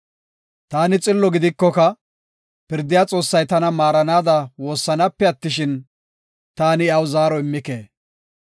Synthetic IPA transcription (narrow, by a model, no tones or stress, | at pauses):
t̪aːnɪt͡sʼɪlːɔɡɪd̪ɪkːɔkɐ | pɪɾd̪ːɪjaːt͡sʼo̞ːsːɐjt̪ɐnɐmaːɾɐnaːd̪ɐwo̞ːsːɐnɐpːɛɐt̪ːɪʃɪn | t̪aːnɪɐwʊzaːɾɔɪmːɪke̞ː